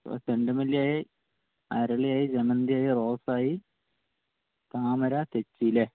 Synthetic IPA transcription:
o̰t̪eɳɖɨmɐlːijaːji | ɐɾɐɭijaːjid͡ʑemɐnd̪ijaːjiro̞ːsaːji | t̪aːmɐɾat̪et͡ɕːile

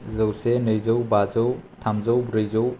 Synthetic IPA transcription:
zɐwsenɯjzɯwbazɯwtʰamzɐwbɾɯjzow

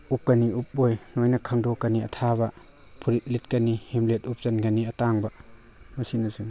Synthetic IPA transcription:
upːɐniup̚ojnojnɐkʰaŋdokɐniɐ̰tʰabɐ | pʰuɾit̚lit̚kɐnihimlet̚up̚zɐnɡɐniɐtaŋbɐ | mɐsinɐzun

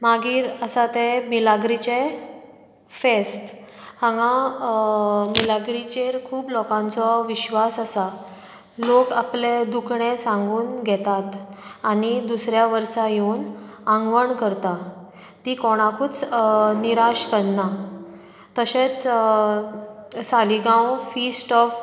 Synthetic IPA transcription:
maɡiːɾəsat̪emilaɡɾit͡ɕe | fesʈ | hãŋã | milaɡɾit͡ɕeɾkʰuːblɔkãnt͡sɔʋiɕʋasasa | lokapled̪ukʰɳẽsãŋɡuːnɡʱɛt̪at̪anid̪usɾjaʋəɾsajeun | ãŋɡʋəɳkəɾt̪a | t̪ikɔɽ̃akʰuːt͡sniɾaɕkəɽna | t̪əɕet͡s | saliɡãwfisʈɔf

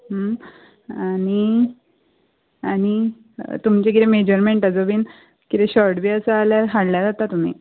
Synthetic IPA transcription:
ɦəm | ani | añi | t̪umt͡ɕeɡit̪ɾemed͡ʑəɾmeɳʈəd͡zəbiːn | kit̪eɕɔɾɽbiːəsəaljaɾɦaɽljad͡zat̪at̪um̤ḭ

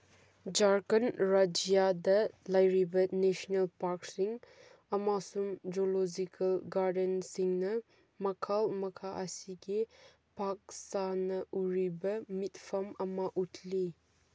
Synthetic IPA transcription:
d͡ʒaɾkɐnɾad͡ʒijadɐlajɾibɐnesɔnelpaɾksiŋ | ɐmasumd͡ʒolod͡ʒikɐlɡaɾdensiŋnɐ | mɐkʰalmɐkʰaʔɐsiɡi | pak̚sanɐʔuɾibɐmitpʰɐmɐmɐʔutʰli

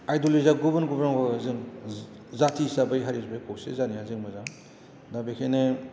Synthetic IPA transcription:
ajdulizaɡubɯnɡubɾaŋbazɯŋ | zatʰisabajɦaɾizbajkʰowsḛzaniazɯŋmazaŋ | dabekʰene

